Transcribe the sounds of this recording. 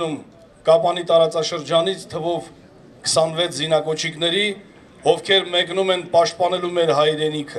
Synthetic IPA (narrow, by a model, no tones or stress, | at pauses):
um | kɑpɑnit̪ɑɾɑt͡sɑʃəɾd͡ʒɑnit͡sʰt̪ʰəvɔv | kʰə̥sɑnvɛt͡sʰzinɑkɔt͡ʃʰiknɛɾi | ɔvkʰɛɾmɛknumɛnpɑʃt̪̚pɑnɛlumɛɾɦɑjɾɛnikʰə